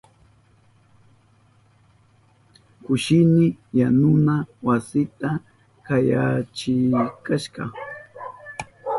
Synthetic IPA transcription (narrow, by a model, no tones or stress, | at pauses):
kʊʃɪnɪjanʊnawasɪt̪a | kajat͡ʃɪkaʃɢɑ̰